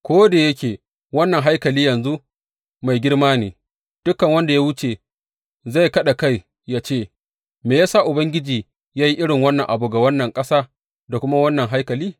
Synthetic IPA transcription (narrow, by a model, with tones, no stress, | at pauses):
kʷoː˦de˨jɐ˦kʲeː˨ | wɐ˦nːɐ˨ŋɦa˦jkɐ˨liː˦jɐ˨nzu˦ | ma˨jɡʲɪ˦ɽmaː˦neː˨ | d̥ʊ˦kːɐ˨ŋwɐ˦nda˨ja˦wʊ˦t͡ʃe˨ | za˦˨jkɐ˦ɗa˨ka˦˨j | jaː˦t͡ʃeː˦˨ | meː˨jaː˦sa˦ʔʊ˨bɐ˦ŋɡʲɪ˦d͡ʒiː˨ | jaː˦ji˦ʔɪ˦ɽɪ˨ŋwɐ˦nːɐ˨ŋʔa˨bu˨ɡa˨wɐ˦nːɐ˨ŋkʼɐ˦saː˦ | da˨kʷʊ˦ma˦wɐ˦nːɐ˨ŋɦa˦jkɐ˨liː˦